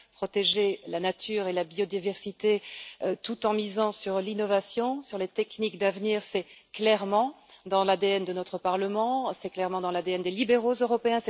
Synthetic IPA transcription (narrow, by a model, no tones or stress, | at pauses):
pχɔt̪eʒelanat̪ʰyːʁelabiɔd̪ivɛʁsit̪eøt̪ut̪ɑ̃mizɑ̃syʁlinɔvasjɔ̃syʁlet̪ɛknikd̪avniːʁsɛklɛʁmɑ̃ | d̪ɑ̃lad̪eɛnd̪ənɔt̪χəpaʁləmɑ̃sɛklɛʁmɑ̃d̪ɑ̃lad̪eɛnd̪elibeʁozøʁɔpeɛ̃sɛ